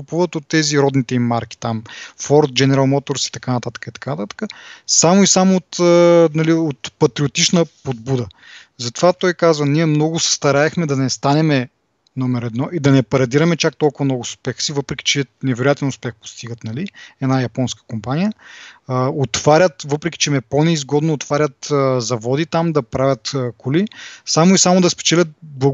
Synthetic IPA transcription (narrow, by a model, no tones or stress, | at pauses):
kupuvət̪ot̪ːɛziɾɔd̪nit̪ɛimːaɾk̟ʲi̥t̪amfɔɾt̪̚d͡ʒɛnɛɾalˠmɔt̪oɾsi̥t̪ɐkanɐt̪at̪ə̥kəit̪ɐ̥kanɐt̪at̪ə̥kəsamoisamoːt̪ənɐliot̪pɐt̪ɾiot̪it͡ʃnəpod̪bud̪ə | zɐt̪ovat̪ɔjkazvəniɛmnɔɡʊsɛ̥st̪ɐɾaɛxmɛd̪ɐnɛst̪anɛmɛ | nɔmɛɾɛd̪nɔʔid̪ɐnɛpɐɾɐd̪iɾɐmɛt͡ʃak̚t̪ɔlˠkʊvɐmnɔɡʊspɛxsivɤpɾɛkʲi̥t͡ʃɛnɛvɛɾojat̪ɛnʊspɛxpo̥st̪iɡət̪nɐliɛd̪najɐpɔnskə̥kompanijə | ot̪v̥aɾʲət̪vɤpɾɛkʲi̥t͡ʃɛmɛponɛizɡɔd̪noːt̪vaɾʲɐt̪əzɐvɔd̪it̪amd̪ɐpɾavʲɐt̪ːkolisamoisamod̪ɐspɛ̥t͡ʃɛlʲət̪̚blˠɐ